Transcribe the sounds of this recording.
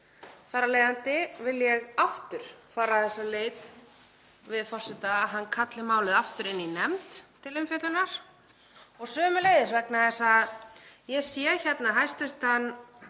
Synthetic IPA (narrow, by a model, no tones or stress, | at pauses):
faːɾaleːjðant̪ɪvɪljɛɣaft̪ʏɾ̥faːɾaθɛsːaleːjt̪ | vɪðfɔr̥sɪt̪aːɦanːkʰat̪lɪmaːwlɪðaft̪ʏɾɪnːinɛmt̪ʰːɪlɪmfjœt̪lʏnaɾ̥ | ɔɣsœːmʏleːjðɪsvɛknaðɛsaðjɛɣsjɛçɛt̪naɦajst̪ʏst̪hanː